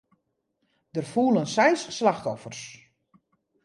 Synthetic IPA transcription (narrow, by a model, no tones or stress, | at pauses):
dərfuːlənsɛjsːlaxtɔfərs